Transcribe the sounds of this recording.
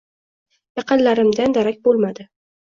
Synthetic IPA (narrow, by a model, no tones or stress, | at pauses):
jɑqɨnlaɾɪmd̪and̪aɾakʲbolˠmad̪ɪ